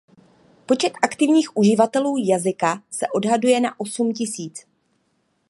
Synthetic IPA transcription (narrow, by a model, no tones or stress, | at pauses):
po̞t͡ʃɛt̪ʔakt̪ɪvɲiːxʔuʒɪvat̪ɛluːjazɪkasɛʔo̞dɦadujɛnaʔo̞sumcɪsiːt͡s